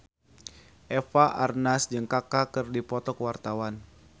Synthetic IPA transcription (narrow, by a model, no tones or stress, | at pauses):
ʔɛfaʔarnasd͡ʒɨŋkakakɨrdipɔt̪ɔkəwart̪awan